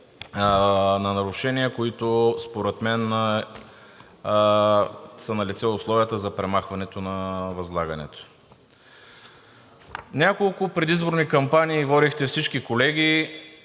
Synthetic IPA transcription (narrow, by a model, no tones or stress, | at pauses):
nɐnɐɾʊʃɛniəkoit̪ospoɾɛt̪mɛn | sɐnɐlit̪sɛʊslˠɔviət̪əzɐpɾɛmaxvɐnɛt̪onɐvɐzlˠaɡɐnɛ̰t̪o̥ | nʲakolˠʊpɾɛd̪izboɾnikɐmpanʲiːvɔɾixt̪ɛfsit͡ʃkikolɛɡʲi